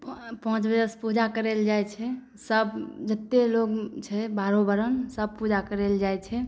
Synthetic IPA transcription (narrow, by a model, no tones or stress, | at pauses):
ppə̃t͡ʃbəd͡ʒəspud͡ʒakəɾeld͡ʒajt͡ʃʰɛ | səbd͡ʒət̪ːeloɡt͡ʃʰɛbaɾobəɾənsəb̚pud͡ʒakəɾeld͡ʒajt͡ʃʰɛ